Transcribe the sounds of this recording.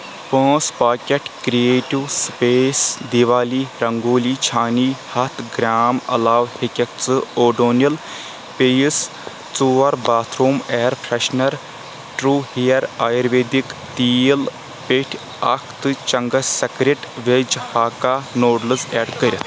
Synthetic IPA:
pə̃ːspaːkʲɐʈkɾieːʈiwspeːsd̪iʋaːliːɾɐŋɡoːliːt͡ʃʰaːniːhɐt̪ʰɡɾaːmɐ̰laːʋhekʲɐk̚t͡sɨoːɖoːnjɐl | pejis | t͡suʋɐɾbaːt̪ʰɾoːmɛːɾpʰɾɐʃnɐɾ | ʈɾuːhijɐɾaːjɐɾʋeːd̪ikt̪iːl | peʈʰʲ | ɐkʰt̪ɨt͡ʃɐŋɡɐsɐkɾʲeʈʋed͡ʒhaːkaːnoːɖlɨzɛːɖkəɾʲt̪ʰ

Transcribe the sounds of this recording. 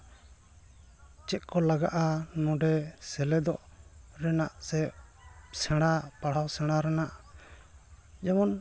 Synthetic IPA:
t͡ʃɛt̪̚kɔlaɡaʔanɔ̃ɖɛsɛlɛd̪ɔʔɾɛnaʔsɛ | sɛɽ̃apaɽ̤awsɛɽ̃aɾɛnaʔ | d͡ʒɛmɔn

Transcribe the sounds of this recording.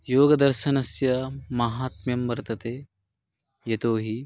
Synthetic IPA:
joːɡɐd̪ɐɾʃɐnɐsjɐmɐɦaːt̪mjɐmʋɐɾt̪ɐt̪eː | jɐt̪oːɦi

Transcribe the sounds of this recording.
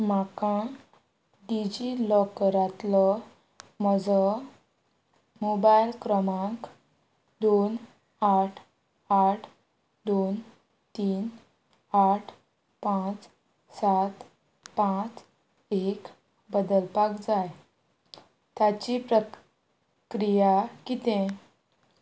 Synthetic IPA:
m̤akã | ɖid͡ʑilɔkɾat̪lɔ | məd͡zə | mobajlkɾəmãk | d̪on | aʈʰ | aʈʰ | d̪on | t̪iːn | aʈʰ | pãt͡s | sat̪ | pãt͡s | ek | bəd̪əlpakd͡zaj | t̪jat͡ɕipɾə | kɾijakit̪ẽ

